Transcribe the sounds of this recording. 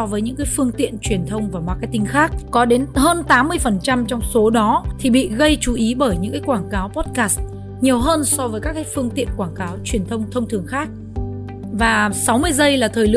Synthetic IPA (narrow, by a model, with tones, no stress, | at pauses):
ɔ˧vəː˨˦ɲɨ̰˧˥ŋkaː˨˦jfɨ˧əŋt̪ḭ˧˨ənt͡ɕwi˨˩ənt̪ʰə˧wŋ͡mvaː˨˩maː˧ka˨˧t̪ï˧ŋ̟xaː˦˥k̚kɔ˨˦ɗe˨˦nhəː˧nt̪aː˨˦mːɨ˧əjfə˨˩nt͡ɕa˧mt͡ɕɔ˧wŋ͡mso˨˦ɗɔ˨˦t̪ʰi˨˩ɓḭ˧˨ɣə˧jt͡ɕu˨˦ʔi˨˦ɓəː˧˩jɲɨ̰˧˥ŋkaː˨˦kwaː˧˩ŋkaː˨˦wpɔ˦˥t̚kaː˦˥st̚ | ɲi˨˩əwɦəː˧nsɔ˧vəː˨˦jka˦˥kːaː˨˦jfɨ˧əŋt̪ḭ˧˨ənkwaː˧˩ŋkaː˨˦wt͡ɕwi˨˩ənt̪ʰə˧wŋ͡mt̪ʰə˧wŋ͡mt̪ʰɨ˨˩əŋxaː˦˥k̚ | vaː˨˩sa˨˦wmɨ˧əjzə˧jlaː˨˩t̪ʰəː˨˩jlɨ̰˧